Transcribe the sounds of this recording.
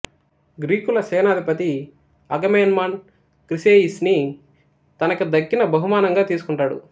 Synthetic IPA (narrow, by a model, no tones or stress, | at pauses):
ɡɾiːkulɐseːnaːd̪ʱipɐt̪i | ɐɡɐmeːnmɐn | kɾiseːisni | t̪ɐnɐkud̪ɐkːinɐbɐɦumaːnɐŋɡaːt̪iːsukuɳʈaːɽṵ